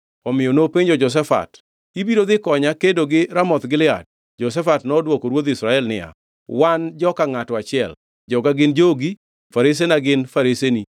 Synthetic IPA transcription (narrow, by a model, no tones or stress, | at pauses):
ɔmɪjonopeɲd͡ʒɔd͡ʒɔs̬ɛfa̰t | ibiɾod̪ɪkɔɲakedoɡɪɾamɔt̪ɡɪlɪa̰d̚ | d͡ʒɔs̬ɛfatnɔdwokoɾwod̪ɪsɾaɛlnɪ̰a̰ | wand͡ʒɔkaŋatɔat͡ʃɪɛ̰l | d͡ʒɔɡaɡɪnd͡ʒoɡi | faɾes̬enaɡɪnfaɾeseni